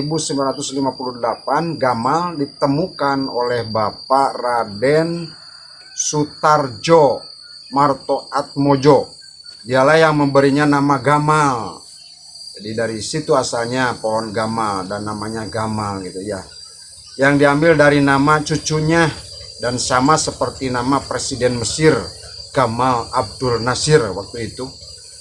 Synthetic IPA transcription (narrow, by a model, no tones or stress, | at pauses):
ibusəmblaɾat̪uslimapuludəlapanɡamaldit̪əmukano̰lɛhbaparadɛn | sut̪ard͡ʒo | mart̪oʔat̪̚mod͡ʒo | dialahjaŋməmbəɾiɲanamaɡamal | d͡ʒadidaɾisit̪uasalɲapoɔnɡamaldanːamaɲaɡamalɡit̪uja | jaŋdiambɪldaɾinamat͡ʃut͡ʃuɲadansamasəpərt̪inamapɾesidɛnməsɪr | ɡ̥amalab̚dʊlnasɪrwak̚t̪uit̪u